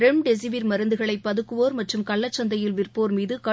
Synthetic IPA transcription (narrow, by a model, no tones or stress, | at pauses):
ɾɛmɖɛs̬ɪʋɪɾmɐɾɯnd̪ɯɣɐɭɐɪpːɐðɯkːɯʋoːɾmɐʈrɯmkɐɭːɐt͡ʃːɐnd̪ɐjɪlʋɪrpoːɾmiːðɯkɐ